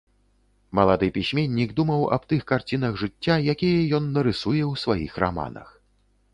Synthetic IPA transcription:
mɐlˠad̪ɨpʲisʲmʲenʲːiɡd̪umɐwɐ̰bt̪ɨxkart͡sʲinɐɣʐɨt͡sʲːajakʲijɛjɔnːɐɾɨsujɛwsvajixra̰ma̰nɐ̰x

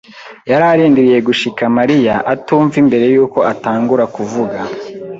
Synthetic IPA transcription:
jaɾaɾiːndiɾije̞ɡuʃikamaɾijaʔatuːɱvimbe̞ɾe̞juːko̞ʔataːŋɡuɾakuvuɡa

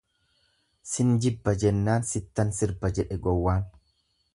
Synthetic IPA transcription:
sɪnd͡ʒɪbːɐd͡ʒɛnːaːnsɪt̪ːɐnsɪɾbɐd͡ʒɛᶑɛɡɔwːaːn

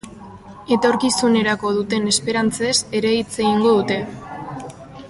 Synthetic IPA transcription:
e̞t̪o̞ɾkisune̞ɾako̞ð̞ut̪e̞ne̞spe̞ɾant͡se̞se̞ɾe̞it͡seɣiŋɡo̞ðut̪e̞

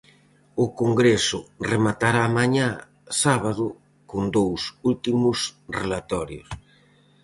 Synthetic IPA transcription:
ʊkoŋɡɾesʊremat̪aɾaːmaɲa | saβaðʊ | kond̪owsult̪imʊsrelat̪ɔɾjʊ̰s

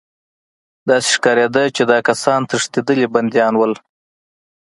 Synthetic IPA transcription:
d̪ɑse̥ʂkɑɾed̪ət͡ʃed̪ɑkasɑnt̪əʂt̪ed̪əliband̪jɑnwəl

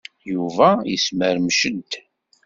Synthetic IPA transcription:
juvæjəsməɾmʃəd̪

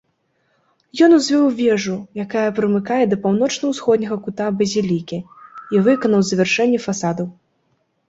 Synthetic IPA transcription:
jɔnuzʲvʲɛwvʲɛʐujakajɐpɾɨmɨkajɛd̪ɐpawn̪ɔt͡ʂnɐwsxɔd̪ʲnʲɐɣɐkut̪abɐzʲilʲikʲi | ivɨkɐnɐwzɐɛrʂɛnʲːɛfasad̪ɐw

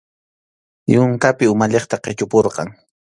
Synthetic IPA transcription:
jʊŋkapɪʊmaʎeχt̪aqet͡ʃʊpoɾqɑ̰ŋ

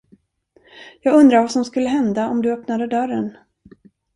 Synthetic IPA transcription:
jɑːɡɵnd̪ɾaɾvasɔmskɵlːəɦɛnd̪aɔmd̪ɵœpnad̪əd̪œrːən

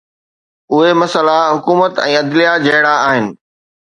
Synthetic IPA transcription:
ʊɦemɐsəlaɦʊkuːmət̪ɛ̃ːɐd̪lijad͡ʑɐɦɪɽaaːɦɪnɪ̆

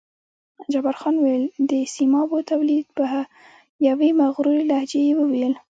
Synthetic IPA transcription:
d͡ʒabaɾxɑnwejld̪əsimɑbot̪awlid̪̚paa | jawemaɣɾuɾilahd͡ʒejewəwejəl

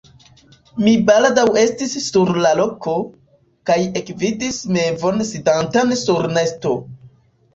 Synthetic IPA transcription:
mibaldawe̞stisːuɾlalo̞ko̞ | kaje̞kvidisme̞vo̞nsidantansuɾne̞sto̞

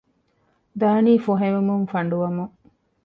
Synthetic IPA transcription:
d̪aːniːfoɦeʋemuŋfɐɳɖuʋɐmuŋ

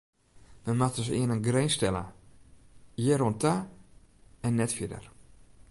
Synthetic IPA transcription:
mɛnmatdɔsɪ̰ənənɡrejnstɛlə̰ | jɛɾɔnta | ɛnːɛtfɪdə̰r

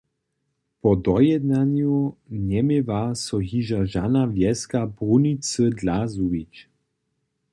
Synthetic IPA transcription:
pɔd̪ɔjɛd̪nanjunɛmevasɔɦiʒaʒanavjɛskabʁunit͡səd̪lazuvit͡ʃ

